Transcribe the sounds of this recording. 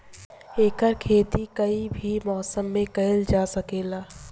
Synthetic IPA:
eːkəɾkʰeːt̪ikɐibʱimɔːsəmːẽkɐɦɪld͡ʒaːsɐkeːlaː

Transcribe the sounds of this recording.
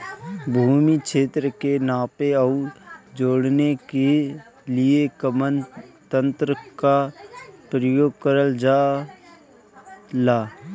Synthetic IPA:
bʱuːmikʃeːt̪ɾəkenaːpeəd͡ʒoːɽneke | lɪekəmənt̪ə̃nt̪ɾəkapɾəjoːɡ̚kəɾəld͡ʒaː | laː

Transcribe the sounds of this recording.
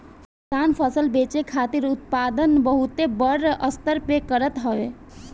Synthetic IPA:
t̪anpʰəsəlbet͡ʃekʰat̪iɾut̪̚pad̪ənbəɦut̪ebəɾʔəst̪əɾpekəɾət̪ɦəʋe

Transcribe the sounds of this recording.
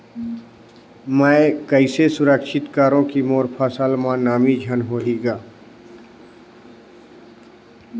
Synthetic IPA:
mə̃kəɪsesʊɾəkʃɪt̪kaːɾõkimoːɾpʰaːsaːlmãnaːmid͡ʒʱaːnɦoːliːɡaː

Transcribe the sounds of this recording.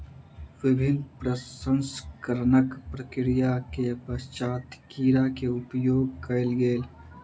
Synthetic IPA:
ʋɪbʱɪnd̪pɾəsə̃nskəɾnəkpɾəkɾijakepəst͡ʃaːt̪kiːɾakeʊpjoːɡ̚kəɪlɡeːl

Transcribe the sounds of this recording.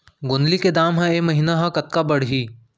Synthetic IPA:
ɡʊnliked̪aːmɦãeːmɐɦiːnaɦãkɐt̪̚kabɐɽ̤ɦiː

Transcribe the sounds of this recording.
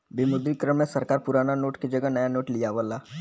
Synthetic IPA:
bɪmʊd̪ɾikɾəmːẽsɐɾkaːɾpʊɾaːnanoːʈked͡ʒɐɡəɦnɐjanoːʈlijaʋəlaː

